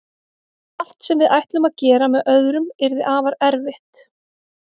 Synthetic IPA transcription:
al̥t̪sɛmvɪðajht̪lʏmaðcɛːɾamɛðʔœðɾʏmɛɾðɪʔaːvaɾɛɾvɪht̪

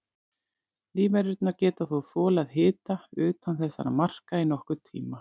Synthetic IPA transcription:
liːvɛɾʏt̪naɾcɛːt̪aθuθɔːlaðɦɪːt̪aʏːt̪anθɛsːa̰ɾamar̥kainɔhkʏɾ̥t̪ʰḭːma

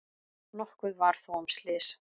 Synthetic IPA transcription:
nɔhkvʏðvaɾ̥θuɔmst̪lɪs

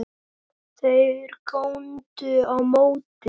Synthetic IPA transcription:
θejɾkʰownt̪ʏawmowt̪ɪ

